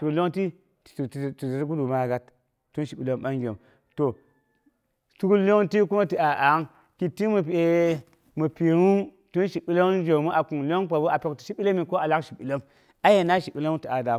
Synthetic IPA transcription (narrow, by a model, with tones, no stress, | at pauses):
su˨ku˦lʲo˦ŋti˦ | tti˨ze˨ɾɡu˦du˨ma˦ɡa˦tː | u˦nʃi˨ɓi˨lo˦mɓa˦ŋɡʲo̰˨m | to˨ | su˦ku˦lo˦ŋti˦ku˦ma˦ti˨a˨ʔa˨˦ŋ | ki˨tːi˦mu˨pe˦ | mu˨pi˨ɾu˦ | tu˦nʃi˨ɓi˦lo˦d͡ʒo˨mu˦ʔa˨ku˨ŋlʲo˦ŋk͡pa˨bo˦a˨pe˨kti̥˨ʃi˦ɓi˦le˦mi˨ko˦a˨la˦kʃi˨ɓi˨lo˦m | a˦je˨na˦ʃi˨ɓi˦lo˦m˦ti˨a˨da˨